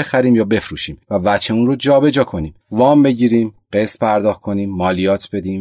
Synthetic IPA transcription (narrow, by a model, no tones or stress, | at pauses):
exæɾiːmjɒːbe̞fɾuːʃiːmvævæt͡ʃʰeuːnrod͡ʒɒːbe̞d͡ʒɒːkʰo̞niːmvɒːmbe̞ɟiːɾiːmɢ̥e̞st̪pʰæɾd̪ɒːxt̪̚kʰo̞niːmːɒːlijɒːt̪ʰbe̞d̪iːm